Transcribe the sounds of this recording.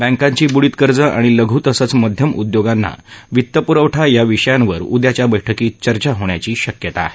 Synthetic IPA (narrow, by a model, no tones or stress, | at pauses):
bæ̃ŋkaɲt͡ɕiːbuɭit̪kəɾd͡zəʔaɽ̃iləɡʱuːt̪əsət͡sməd̪ʱjəmud̪joɡanːa̰ʋit̪ːəpuɾəʋʈʰajaʋiʂəjãnʋə̰ɾṵd̪jat͡ɕjabəjʈʰəkiːt͡ɕəɾt͡ɕaɦoɳja̰t͡ɕiːɕəkjət̪a̰ɦe